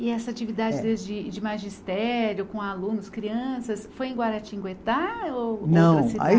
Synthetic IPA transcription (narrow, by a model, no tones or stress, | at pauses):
ɪɛsɐat͡ʃivid̪ad͡ʒɪd̪ezd͡ʒɪd͡ʒɪmaʒist̪ɛɾjʊkõalũnʊskɾiɐ̃sɐsfojẽɡwaɾat͡ʃĩɡwet̪aonɐ̃w̃sia̰i